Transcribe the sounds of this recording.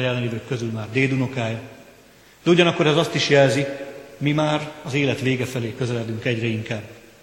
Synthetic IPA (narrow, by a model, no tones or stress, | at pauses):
jɛlːɛniːvøkːø̞zylmaːrd̪eːd̪uno̞kaːj | d̪̥ɛuɟɒnɒkːo̞ɾɛzɒst̪iʃjɛlzimimaːrɒzeːlɛt̪ʋeːɡɛfɛleːkø̞zɛlɛd̪yŋkɛɟrɛiŋkaːb